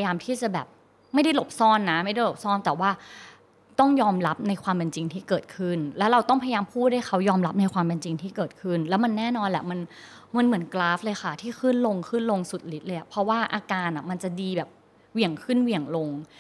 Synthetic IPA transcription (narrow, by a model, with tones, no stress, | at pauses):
jaː˧mt̪ʰiː˥˩t͡ɕa˨˩bɛː˨˩p̚ | ma˥˩jda˥˩jlo˨˩p̚sɔː˥˩nːa˦˥ma˥˩jda˥˩jlo˨˩p̚sɔː˥˩nt̪ɛː˨˩waː˥˩ | t̪ɔ˥˩ŋjɔː˧mɾa˦˥p̚na˧jkʰwaː˧mpe˧nt͡ɕi˧ŋt̪ʰiː˥˩kɤː˨˩t̪̚kʰɯ˥˩nlɛː˦˥wɾa˧wt̪ɔ˥˩ŋpʰa˧jajaː˧mpʰuː˥˩t̪̚daː˥˩jxʰa˦˥wjɔː˧mla˦˥p̚na˧jkʰwaː˧mpe˧nt͡ɕi˧ŋt̪ʰiː˥˩kɤː˨˩t̪̚kʰɯ˥˩nlɛː˦˥wma˧nːɛː˥˩nɔː˧nlɛ˨˩ma˧n | ma˧nmɯ˩˦nklaː˦˥flɤː˧jxa˥˩t̪ʰiː˥˩xʰɯ˥˩nlo˧ŋkʰɯ˥˩nlo˧ŋsu˨˩t̪̚li˦˥t̪̚lɤː˧jʔa˨˩pʰɾɔ˦˥waː˥˩ʔaː˧kaː˧na˨˩ma˧nt͡ɕa˨˩diː˧bɛː˨˩p̚ | wi˨˩əŋkʰɯ˥˩nwi˨˩əŋlo˧ŋ